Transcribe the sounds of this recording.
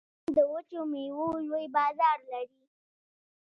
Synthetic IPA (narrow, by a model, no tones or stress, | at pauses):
d̪əwət͡ʃomewojwojbɑzɑɾlaɾi